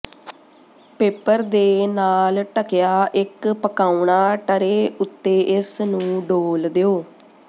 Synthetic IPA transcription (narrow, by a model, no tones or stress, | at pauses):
peːpəɾd̪eːnaːlʈəkɪjaːʔɪkpəkaːuɳaːʈəɾeːʊt̪ːeːʔɪsnũːɖoːld̪eːoː